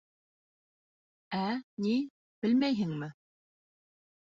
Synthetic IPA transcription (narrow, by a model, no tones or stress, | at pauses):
æni | b̥ɘ̆lmæjɦɘŋmɘ